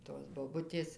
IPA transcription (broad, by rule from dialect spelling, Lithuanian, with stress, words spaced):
toːs boːˈbʊtʲeːs